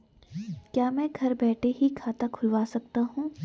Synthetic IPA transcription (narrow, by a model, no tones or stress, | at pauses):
kjaːmɛ̃ːɡʱɐɾbɛːʈʰeɦikʰaːt̪akʰʊlʋaːsɐk̚t̪aɦũː